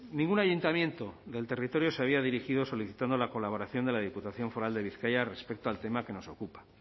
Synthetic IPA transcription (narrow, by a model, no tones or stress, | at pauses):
nĩŋɡunaʝunt̪amje̞nt̪o̞ðe̞lt̪e̞rit̪o̞ɾjoseaβiaðiɾixiðo̞so̞liθit̪and̪o̞lako̞laβo̞ɾaθjo̞nd̪e̞laðiput̪aθjo̞ɱfo̞ɾald̪e̞βiθkajare̞spe̞k̚t̪oalt̪e̞make̞no̞so̞kupḁ